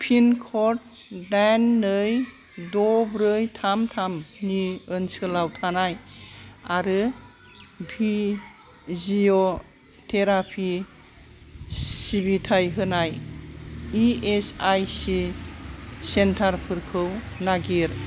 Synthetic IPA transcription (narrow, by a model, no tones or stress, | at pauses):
pʰinkʰɔɾt̚ | danːɯj | dɔbɾɯjtʰamtʰamniɯnsɯlawtʰanaj | aɾɯ | bʱi | zio | tʰeɾapʰi | ibitʰajɦɯnaj | iesajsi | sentʰaɾpʰɯɾkʰɯw | naɡiɾ